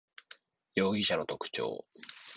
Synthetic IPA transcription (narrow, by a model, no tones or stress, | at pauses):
jo̞ːɡʲiɕano̞t̪o̞kɯ̥t͡ɕo̰ː